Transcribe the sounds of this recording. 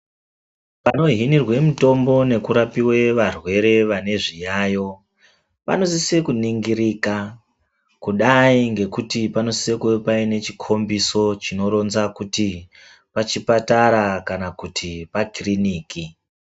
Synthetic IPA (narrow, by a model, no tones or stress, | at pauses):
pano̞ɦinirwe̞muto̞mbo̞ne̞kuɾapiwe̞ʋarwe̞ɾe̞ʋane̞ʐijaːjo̞ | pa̰no̞sisekuniŋɡiɾika | kuɗaiŋɡe̞kutipano̞sisekupaine̞t͡ʃi̥kʰo̞mbiso̞t͡ʃino̞ɾo̞nzakuti | pat͡ʃipataɾakanakutʰipakriniːki